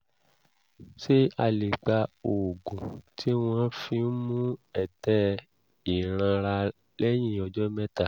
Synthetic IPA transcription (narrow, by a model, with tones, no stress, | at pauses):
ʃe˦a˧le˨k͡pa˧o˨ɡũ˨tʰi˦w̃ɔ̃˦fĩ˧˦mũ˦ɛ˦˨tɛ˦ | i˨ɾ̃ã˧ɾa˧ | lɛ˦j̃ĩ˦˨ɔ˧d͡ʒɔ˦mɛ̃˦ta˦˨